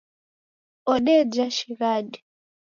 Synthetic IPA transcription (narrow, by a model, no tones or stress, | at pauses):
ɔɗɛd͡ʒaʃiɣaɗi